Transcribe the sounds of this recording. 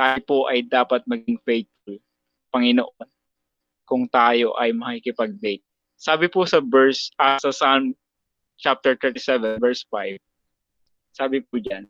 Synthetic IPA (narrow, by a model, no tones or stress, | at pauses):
t̪aːjopoʔɐjd̪aːpɐt̪̚mɐɡɪŋfejt̪̚fʊl | pɐŋɪnoʔon | kʊŋt̪aːjo̞ʔɐjmɐkɪkɪpɐɡ̚d̪ejt̪̚ | saːbɪpʊsɐbɛɹsʔɐsɐsam | t͡ʃap̚t̪ɛɹt̪ɛt̪ɪsɛvɛnvɛɹsfajb̚ | saːbɪpud͡ʒan